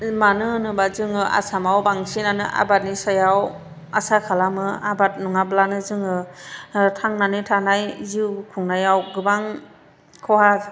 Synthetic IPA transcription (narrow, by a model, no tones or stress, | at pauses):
manɯnɯbazɯŋɯa̰samawbaŋsinanɯʔa̰bat̚nisajaw | asakʰalamɯabat̚nuŋablanɯzɯŋɯ | tʰaŋnanɯtʰanajzikʰuŋnajawɡɯbaŋ | kʰɔhaz